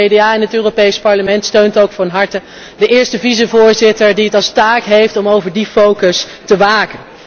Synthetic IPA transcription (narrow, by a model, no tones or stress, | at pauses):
edeaːɛnɦətøːrowpejspɑɹləmɛntstøɥntowkfɑnɦɑɹtə | dəʔɪːɹstəvizəvʊːɹzɪtəɹdiɦətɑlˠstaːkɦejftɔmowvəɹdifowkəs | təʋaːkən